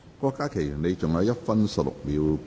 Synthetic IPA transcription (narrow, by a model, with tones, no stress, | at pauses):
kɔː˧kːaː˥kʰe˨˩jɥyː˨˩ne˨˧jt͡sʊ˨ŋjɐ˨˧wjɐ˥t̚fɐ˥nsɐ˨p̚lʊ̰˨k̚miː˨˧w